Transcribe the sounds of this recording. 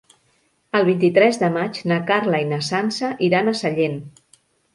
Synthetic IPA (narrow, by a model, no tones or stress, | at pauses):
əlˠβint̪it̪ɾɛzðəmat͡ʃnakaɾlainəsansəʔiɾanəsəʎen